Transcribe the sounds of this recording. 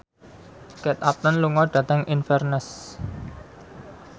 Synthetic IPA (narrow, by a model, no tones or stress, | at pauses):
kɛt̪ap̚t̪ənluŋɔɖ̥ä̤t̪əŋʔinfɛrnəs